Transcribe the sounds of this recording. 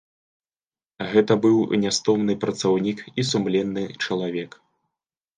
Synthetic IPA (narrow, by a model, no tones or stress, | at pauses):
ɣɛt̪ɐbɨwnʲast̪ɔmnɨpɾɐt̪sawnʲikisumlʲɛnːɨt͡ʂɐlˠavʲɛk